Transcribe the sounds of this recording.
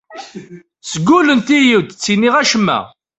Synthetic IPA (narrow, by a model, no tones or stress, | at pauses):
səɡːulənt̪ijiwd̪t͡sːiniʁæʃəmːæ̰